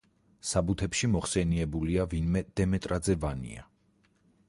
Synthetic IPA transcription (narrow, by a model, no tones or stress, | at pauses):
sabut̪ʰɛpʃimɔχsɛniɛbuliavinmɛd̪̥ɛmɛt̪ʼɾad̪zɛvanḭa̰